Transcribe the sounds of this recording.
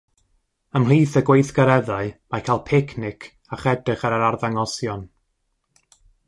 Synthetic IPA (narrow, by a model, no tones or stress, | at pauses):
əmliːθəɡwejθɡaɾɛðaɨmakʰalˠpʰɪkʰnɪkʰ | aχɛdrɨχaɾaɾarðaŋɔsjɔn